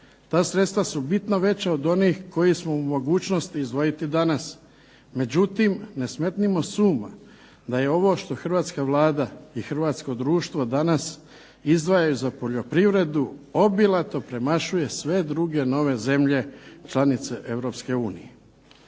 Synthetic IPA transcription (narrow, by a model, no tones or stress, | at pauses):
t̪aːsɾet̪st̪ʋasubit̪naʋe̞t͡ɕaod̪o̞niːxko̞jismoumo̞ɡuːt͡ɕnost̪iizd̪ʋo̞jit̪id̪anas | me̞d͡ʑut̪imnesmet̪nimo̞suːma̰ | d̪aje̞o̞ʋo̞ʃt̪o̞xr̩ʋaːt̪skaʋlˠaːd̪aixr̩ʋaːt̪sko̞d̪ɾuːʃt̪ʋo̞d̪anas | izd̪ʋajajuzapo̞ʎo̞pɾiʋɾe̞d̪uo̞bilˠat̪o̞pɾe̞maʃuje̞sʋe̞d̪ɾuɡe̞no̞ʋe̞ze̞mʎe̞t͡ʃlˠanit̪se̞ʔe̞ʋɾo̞pske̞uːnḭje